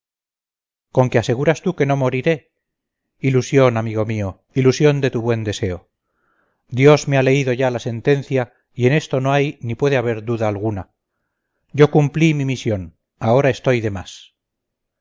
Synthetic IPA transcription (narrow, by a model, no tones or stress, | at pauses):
ko̞ŋkease̞ɣ̞uɾast̪uke̞no̞mo̞ɾiɾe̞ | ilusjo̞namiɣo̞mio̞ | ilusjo̞nd̪e̞t̪uβwe̞nd̪e̞se̞o̞ | d̪jo̞zmeale̞iðo̞ʝalase̞nt̪e̞n̟θja | ie̞ne̞st̪ono̞ajnipwe̞ðeaβ̞e̞ɾðuðaːlɣuna | ɟ͡ʝo̞kumplimimisjo̞n | ao̞ɾae̞st̪o̞jðe̞mas